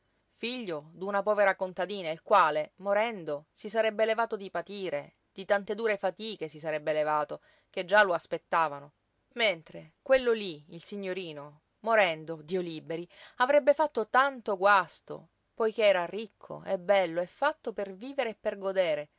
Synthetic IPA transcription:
fiʎːod̪unapɔːveɾakont̪ad̪iːnailkwaːlemoɾɛnd̪osisaɾɛbːelevaːt̪od̪ipat̪iːɾe | d̪̥it̪ant̪ed̪uːɾefat̪iːkesisaɾɛbːelevaːt̪o | ked͡ʒːaloaspet̪ːaːvano | ment̪ɾekwelːoliilsiɲːoɾiːno | moɾɛnd̪od̪iːoliːbeɾiavɾɛbːefat̪ːot̪ant̪oɡwast̪o̰ | pojk̟eɛːɾarikʰːo̰ɛbɛlːoɛfːat̪ːoperviːveɾeːpːerɡod̪eːɾe

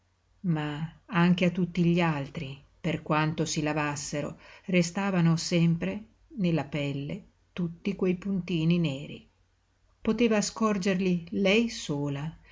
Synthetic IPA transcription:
maaŋk̟eat̪ːut̪ːiʎialt̪ɾi | perkwant̪osilavasːeɾo̰rest̪aːvanosɛmpɾe | nelːapɛlːe | t̪ut̪ːikwejpunt̪iːnineːɾḭ | pot̪eːvaskɔrd͡ʒerlilɛjsoːla

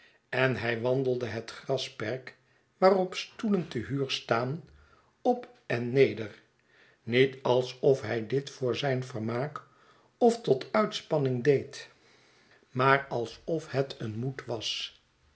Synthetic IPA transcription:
ɛnɦɛjʋɑndəlˠdəɦətχrɑspɛɹk | ʋaːrɔpstuləntəɦyːɹstaːn | ɔp | ɛnːejdər | nitɑlˠsɔfɦɛjdɪtfʊːɹzɛjnvərmaːk | ɔftɔtʰœɥtspɑnɪŋdejt | maːrɑlˠsɔfhɛtʰənmutʋɑs

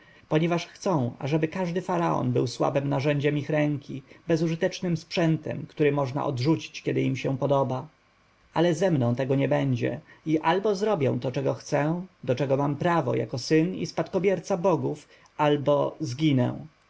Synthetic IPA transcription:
pɔɲɛvaʂxt̪sɔ̃w̃a̰ʐɛbɘkaʐd̪ɘfaɾaɔ̰nbɘwswa̰bɘmnaʐɛɲd͡ʑɛmixɾɛŋkʲibɛzuʐɘt̪ɛt͡ʂnɘmspʂɛnt̪ɛ̰mkt̪uɾɘmɔʐna̰ʔɔ̰d̪ʐut͡ɕi̥t͡ɕkʲɛd̪ɘimɕɛ̃pɔd̪ɔba | alɛzɛmnɔ̃w̃t̪ɛɡɔɲɛbɛɲd͡ʑɛ̰iʔalbɔzɾɔbʲjɛ̰̃w̃t̪ɔt͡ʂɛɡɔxt̪sɛ̃d̪ɔt͡ʂɛɡɔmampɾavɔ̰ja̰kɔsɘnḭspat̪kɔbʲjɛɾt̪sabɔɡuf | albɔzɡʲinɛ̰w̃

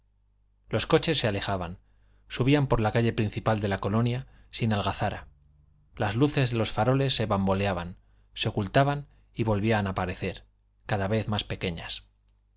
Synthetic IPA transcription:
lo̞sko̞t͡ʃe̞sːeale̞xaβan | suβ̞iampo̞ɾlakaʎe̞pɾinθipald̪e̞lako̞lo̞nja | sinalɣaθaɾa | lazluθe̞zðelo̞sfaɾo̞le̞sːe̞βambo̞leaβan | se̞o̞kult̪aβan | iβo̞lβianapaɾe̞θe̞ɾ | kaðaβe̞θmaspe̞ke̞ɲas

